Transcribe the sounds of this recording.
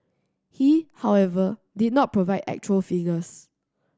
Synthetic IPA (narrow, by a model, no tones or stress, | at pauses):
hihawɛvə | didⁿnɔt̚pɹovaɪdɛ̰k̚t͡ʃuəlfiɡəs